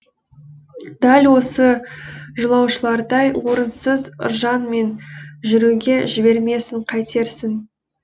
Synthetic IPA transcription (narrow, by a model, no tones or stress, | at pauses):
d̪̥ælʲwo̞səʒəlˠɑwʃəlˠɑɾd̪ɑjwo̞ɾənsəzʊ̰ɾʒɑnme̞nʒʏɾuɡʲe̞ʒɪbe̞ɾme̞sɪɴqʰɑjt̪ʰe̞ɾsɪn